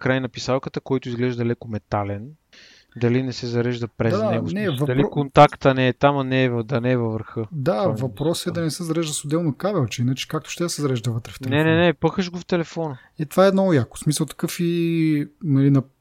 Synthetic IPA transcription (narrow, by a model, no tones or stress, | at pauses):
kɾajnɐpisalˠkət̪əkɔjt̪ʊizɡlɛʒd̪ɐlɛkʊmɛt̪alɛn | d̪ɐlinɛsɛzɐɾɛʒd̪ɐpɾɛanɛɡosnɛvɐd̪ɐlikont̪akt̪ɐnɛːt̪amɐnɛːvɐd̪ɐnɛːvɐvəɾxɤd̪avɐpɾɔsɛd̪ɐnɛsɛzɐɾɛʒd̪ɐsod̪ɛlˠnokabɛlˠt͡ʃɛinət͡ʃɛ̥kak̚t̪ʊ̥ʃt̪ɛd̪ɐsɛzɐɾɛʒd̪ɐvət̪ɾɛft̪ɛlnɛɛnɛnɛpɤxəʒɡoft̪ɛlɛfɔnə | ɛt̪ovaɛːd̪nɔjakʊ̥smisəlˠt̪ɐ̥kɤfi | nɐlinɐ